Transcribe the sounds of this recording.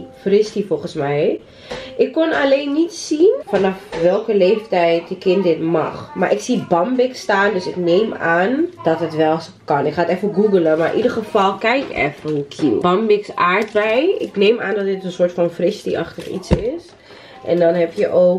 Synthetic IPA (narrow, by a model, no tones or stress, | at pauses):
frɪstifolˠχənsmɛj | ʔɪkːonaleːnːitsinfanɑfʋɛlˠkəleːftɛjtjəkɪntdɪtmɑ̰χmaːɹʔɪksibɑmbɪkstaːndøsɪknejmaːnd̥ɔtətʋɛlˠs | kɑnɪkχaːtɛfəɡuɡələmaːɹʔidərχəfɑlˠkɛjkɛ̰fəukʰḭlˠbɑmbɪksaːɹtʋɛjɪ̰knejmaːndɔtdɪtənsoːɹtfɔnfrɪstiʔɑ̰χtəχḭtsɪs | ʔɛ̰ndɔnɦɛpjəʔoː